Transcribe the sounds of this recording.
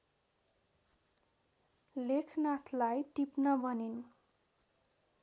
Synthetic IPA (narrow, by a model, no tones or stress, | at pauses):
lekʰnat̪ʰlajʈipnʌbʌnin